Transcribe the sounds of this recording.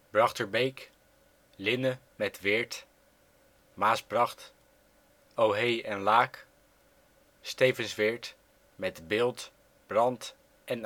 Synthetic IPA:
b̥rɑχtəɹbejk | lɪnə | mɛtʋɪɹt | maːsbrɑχt | owɦejɛnlaːk | stejvənsʋɪɹt | mɛtbɪːlˠt | b̥rɑnt | ʔɛn

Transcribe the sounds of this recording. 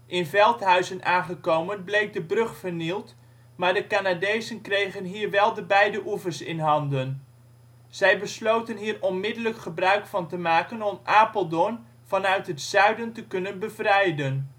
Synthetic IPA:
ʔɪnvɛlˠtɦœɥzənʔaːnχəkowmənblejk̚dəbrɵχfəɹnilˠt | maːɹdəkanadejzənkrejχənɦiːɹʋɛlˠdəbɛjdəʔuvəɹsɪ̰nɦɑndən | z̥ɛjbəslowtənɦiːrɔnmɪdələkχəbrœɥkfɑntəmaːkənɔmʔaːpəlˠdɔn | v̥ɑnœɥtɦətsœɥdəntəkɵnənbəvrɛjdən

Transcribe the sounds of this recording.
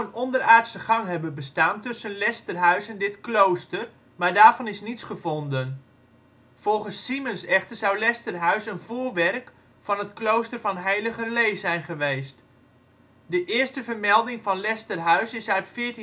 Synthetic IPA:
ənɔndəraːtsəχɑŋɦɛbənbəstaːntɵsənlɛstərɦœɥsɛndɪtklowstər | maːɹdaːɹvɑnɪsnitsχəvɔndən | v̥ɔlˠχənsːimənsɛχtərzɑwlɛstərɦœɥsənvʊːrʋɛrk | fɑnətklowstərvɑnɦɛjləχəlejsɛjnχəʋejst | dəʔɪːɹstəvərmɛlˠdɪŋfɑnlɛstərɦœɥsɪsœɥtfɪːt

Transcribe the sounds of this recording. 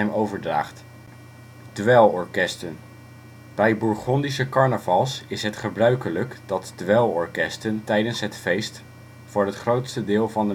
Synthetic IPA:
ɛmowvəɹdra̰ːχt | d̥ʋɛlˠɔɹkɛstən | b̥ɛjbuɹχɔndisəkɑɹnəvɑlˠsɪsɦətχəbrœɥkələkd̥ɑtd̥ʋɛlˠɔɹkɛstəntɛjdənsɦətfejst | fʊːɹɦətχrowtstədɪːlˠvɑndə

